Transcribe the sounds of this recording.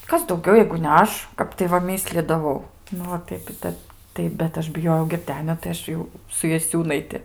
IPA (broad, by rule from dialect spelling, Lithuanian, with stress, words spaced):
ˈkɐs dɐʊˈɡʲɛʊ jɛɪɡʊ nʲɛ ˈɐʃ ˈkɐp tɐɪ ʋɐ ˈmʲiːsʲlʲiːdɐʋɐʊ ˈnʊ oː ˈtɐɪp ɪ ˈtʲɛp ˈtɐɪ bʲɛt ˈɐʃ bʲɪˈjoːjɛʊ ɡʲɪrʲˈdʲæːnʲoː tɐɪ ˈɐʃ jɛʊ sʊ jɛˈsʲuːnɐɪtʲɪ